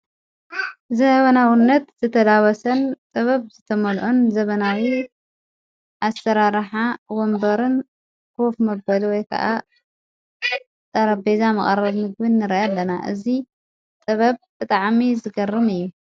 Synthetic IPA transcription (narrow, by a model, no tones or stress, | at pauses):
zɐβɐnawinːɐt̪zɨt̪ʰɐd̪awɐsɐnt̪ʼɨβɐβzɨt̪ʰɐmɐlʔonzɐβɐnawi | ʔasːɐɾaɾħawɔmbɐɾɨn | kʰofmɐbɐlwɔjkʰɐ̰ʔa | t̪ʼɐɾɐbezamɐχʼɐɾɐβmɨɡbɨnːɨɾɐʔalːɐnaʔɨ̰zi | t̪ʼɐβɐβb̥ɨt̪ʼaʕmizɨɡɐrːɨmɨjːu